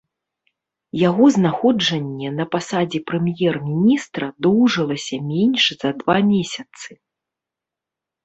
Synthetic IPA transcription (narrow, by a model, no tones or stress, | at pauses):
jaɣɔznaxɔd͡ʐɐnʲːɛnɐpasad͡zʲipɾɨmjɛrmʲinʲist̪ɾɐd̪uwʐɨlˠɐsʲɐmʲɛnʲʂz̥ɐd̪vamʲesʲɐt̪sɨ